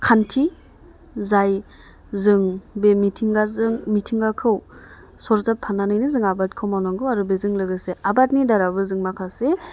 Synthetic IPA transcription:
kʰantʰi | zaj | zɯŋbemitʰiŋɡazɯŋmitʰiŋɡakʰɯw | sɔɾzapʰːananɯjnɯzɯŋabat̚kʰɯwmawnaŋɡɯwaɾubezɯŋlɯɡɯseʔabatnidaɾabɯzɯŋmakʰase

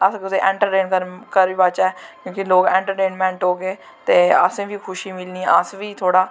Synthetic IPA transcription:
əskɪseːʔɛ̃ːɳʈəɾʈeːnkəɾkəɾiːbat͡ʃɛːkjõːkiloːɡɛ̃ːɳʈəɾʈeːnmɛ̃ːɳʈoːɡeː | t̪eːə̰sẽːʋʱiːkʰʊʃiːmɪlniːɛəsʋiːt̪ʰoːɽaː

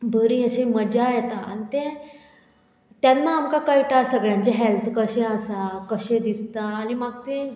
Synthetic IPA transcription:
bəɾiəɕeməd͡ʑajɛt̪aa̰nit̪e | t̪janːaːmkakəiʈasəɡɭjãɲt͡ɕeɦɛlt̪ʰkəɕẽəsakəɕẽd̪ist̪aːnimaɡt̪e

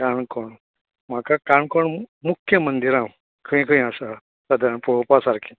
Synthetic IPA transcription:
kaɳkɔɳ | m̤akakãɳkɔɳmukʰːjəmənd̪iɾã | kʰəĩkʰəĩasa | sad̪aɾaɳpopasaɾkʰi

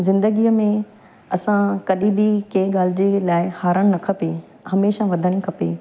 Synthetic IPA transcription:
zɪ̃nd̪əɡiːəmẽ | ɐsãkɐɗĩbɪkɐ̃ɪ̃ɠaːl̤ɪd͡ʑelaːɪhaːɾəɽ̃nɐkʰəpe | hɐmeːʃaʋɐd̪ʱəɽ̃ĭkʰɐpḛː

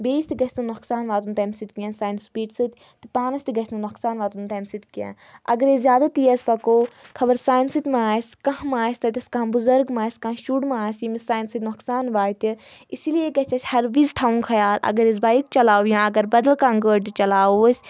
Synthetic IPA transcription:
beːst̪iɡɐsʲt̪ɨnuksaːnʋaːt̪unt̪ɐmsit̪kijãːsaːjinspiːʈsɨt̪ʲ | t̪ɨpaːnɐsʲt̪iɡɐsʲnɐnoksaːnʋaːt̪unt̪ɐmsit̪kijã̰ | ɐ̰ɡɐɾezʲjaːd̪at̪ijɐsʲpɐkoːkʰɐbɐɾsaːjinsɨt̪ʲmãːsʲkɐɦmaːsʲt̪ɐt̪ʲɐskãbuzɐɾɡmaːsʲkãːʃuɽmãːsimisaːjinsit̪ʲnoksaːnʋaːt̪iisilijeɡɐt͡ʃɐsʲhɐɾʋizʈʰaːũnkʰɐjaːlɐ̰ɡɐɾes̬baːik̚t͡ʃɐlaːwjãːɐɡɐɾbɐd̪ɐlkaŋɡəːɖʈit͡ʃɐlaːusʲ

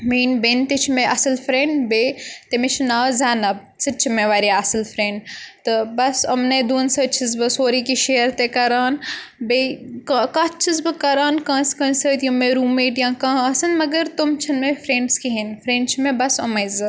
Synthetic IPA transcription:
miːnbent̪et͡ʃʰimẽʔɐsɐlfɾẽːɳɖbet̪emet͡ʃʰinaːzaːnɐb̚ | t͡sɨt͡ʃʰimeʋaːɾiɐsɨlpʰɾẽːɳɖt̪ɨbɐsɐmnɐd̪uːnsɐt͡ʃʰizbɨsoːɾikiʃeːəɾt̪ekɐɾaːnbekɐkat͡ʃʰizbɨkɐɾaːnkãːskɐ̃nsəːt̪jumeɾuːmeːʈjãːkãːɐsɨnmɐɡɐɾt̪umt͡ʃʰɐnmefʰɾẽːɳɖskiɦenfʰɾẽːɳɖt͡ʃʰimẽbɐsɐmɐjzɨ

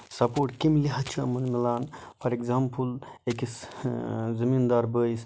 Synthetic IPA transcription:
sɐpoːʈkimliɦɐt͡ʃʰuɐ̰mɐnmilaːnpʰɐɾekzaːmpʰul | ekis | zɐmind̪aːɾbəːjis

